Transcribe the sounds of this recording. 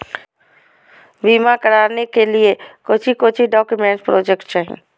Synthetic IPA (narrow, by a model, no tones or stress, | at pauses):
biːmakəɽaːɾnekeliekoːt͡ʃʰikoːt͡ʃʰiɖɔːkjʊmẽːɳʈpɾoːd͡ʒekʈ̚t͡ʃaːɦḭ̃ː